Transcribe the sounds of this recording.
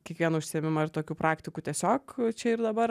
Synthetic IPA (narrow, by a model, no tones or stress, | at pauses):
kʲiɛkʋʲiɛnɐʊʃʲsʲɪɛːmʲɪmɐɪrt̪oːkʲuːpɾɑːkt̪ʲɪkuːt̪ʲiɛsʲoːkt͡ʃʲɛɪɾd̪ɐbɐɾ